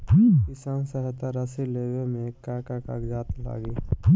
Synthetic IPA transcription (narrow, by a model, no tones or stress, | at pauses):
kisãnsəɦət̪aɾəsilewemẽkakakaɡd͡ʒaːt̪la̰ːɡi